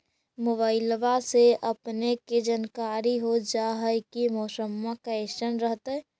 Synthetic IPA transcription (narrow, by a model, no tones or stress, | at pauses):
mobaːɪlʋaseʔɐpneked͡ʒənkaːɾiɦod͡ʒaɦəjkimɔːsəmːakaeʃənɾəɦt̪ɛ